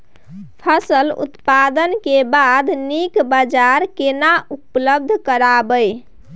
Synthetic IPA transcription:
pʰəsəlṵt̪pad̪ənkebad̪nikbəd͡ʒaɾkenaupləb̚d̪ʱkəɾabəj

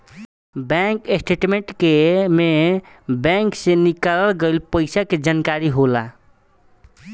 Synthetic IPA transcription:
bɛ̃ŋkesʈʰeʈmeɳʈkeme | bɛ̃ŋksẽnikaləlɡəlpəɪsaked͡ʒankaɾiɦola

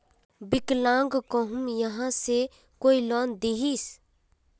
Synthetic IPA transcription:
bɪklãːŋɡkɔɦʊmjəɦãse | koːilɔːnd̪iɦis

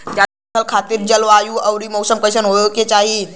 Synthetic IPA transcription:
d͡ʒa | əlkʰat̪iɾd͡ʒəlʋajuəwɾimɔwsəmkəjsənɦojoket͡ʃaɦi

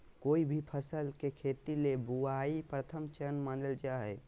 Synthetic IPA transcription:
koːibʱipʰəsəlkekʰet̪ilebuaipɾət̪ʰəmt͡ʃənmanəld͡ʒaɦɛ

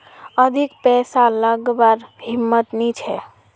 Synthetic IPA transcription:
əd̪ʱikpɛsaləɡbaɾɦimːət̪nit͡ʃʰɛ

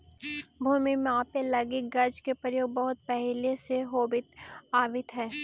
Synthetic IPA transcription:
bʱuːmimãːpelɐɡɪkɡɐɾd͡ʒkepɾəjoːɡ̚bɐɦʊt̪̚pɛɦleseɦoːbɪt̪aːʋɪt̪ɦɛː

